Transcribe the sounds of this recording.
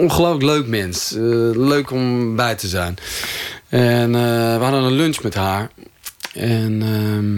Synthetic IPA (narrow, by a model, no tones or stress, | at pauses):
onχəloːfləkløːkmɛnsløːkɔmbɛjtʰəzɛjn | ɛnʋəhadənənlønt͡ʃmɛthaːɹ | ɛnə